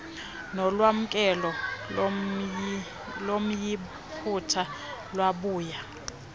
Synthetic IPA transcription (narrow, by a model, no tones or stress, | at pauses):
nɔlwam̩kʼɛlɔ | lom̩ji | pʰutʰalwaɓuːja